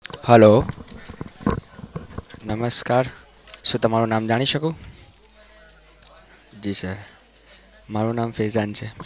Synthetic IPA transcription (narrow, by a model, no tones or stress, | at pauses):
həlo | nəməskaɾ | ʃũːt̪əmaɾunamd͡ʒaɽ̃iʃəkũ | d͡ʒiːsəɾ | maɾunamfezant͡ʃʰe